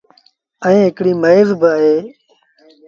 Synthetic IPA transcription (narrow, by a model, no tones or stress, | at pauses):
əĩːɦɪkɽiːməeːzbɪəːɦeː